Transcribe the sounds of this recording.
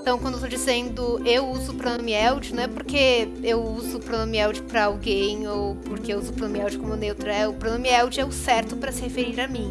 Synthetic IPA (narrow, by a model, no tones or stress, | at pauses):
t̪ɐ̃w̃kw̃d̪ewt̪od͡ʒizẽnd̪ʊewuzʊːpɾonõmiɛwd͡ʒɪnɐ̃w̃ɛpoɾke | ewuzʊːpɾonõmiɛwd͡ʒɪpɾɐawɡẽj̃owpoɾkeewuzʊpɾonmiɛwd͡ʒɪkõmʊɛnewt̪ɾʊɛʊpɾonõmiɛwd͡ʒɪɛʊsɛɾt̪ʊpɾɐsɪhefeɾiɾɐmĩ